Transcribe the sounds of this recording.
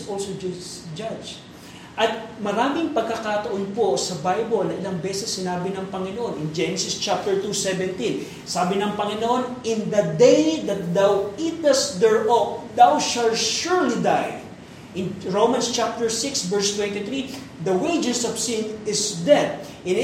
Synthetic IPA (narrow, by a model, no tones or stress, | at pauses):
solsod͡ʒad͡ʒ | ʔɐt̪̚mɐɾaːmɪŋpɐɡ̚kɐkat̪ɐʔonposɐbajbolnɐŋʔɪlɐŋbɛsɛsːɪnaːbɪnɐŋpɐŋɪnoʔo̞nɪŋd͡ʒɛnɛsɪst͡ʃap̚t̪ɛɹt̪usɛvɛ̃nt̪ĩn | saːbɪnɐŋpɐŋɪnoʔonʔɪnd̪ɐd̪ejd̪ɐt̪̚d̪awit̪ɐst̪d̪ɛɹʔok̚d̪awʃalt̪ʃuɹlid̪aj | ʔɪnɹowmɐnst͡ʃap̚t̪ɛɹsɪksvɛɹst̪wɛ̃nt̪ɪθɹi | d̪ɐwejd͡ʒɛsɔv̥sɪnɪsd̪ɛd̪̚ʔɪ̃n